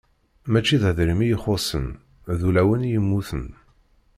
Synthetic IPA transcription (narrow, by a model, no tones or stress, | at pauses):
mæt͡ʃːiðæðɾimijəχosə̰n | ðulæwənjəmːuθə̰n